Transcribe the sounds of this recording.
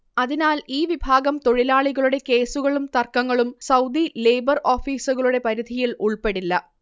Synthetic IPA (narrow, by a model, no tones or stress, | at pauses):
ɐðinaːliːʋibʱaːɡɐmt̪o̞ɻilaːɭiɣɐɭuɽe̞ke̞ːsuɣɐɭumt̪ɐrkɐŋːɐɭumsɐwd̪ileːbɐroːfiːsuɣɐɭuɽe̞pɐɾid̪ʱijiluɭpe̞ɽilːɐ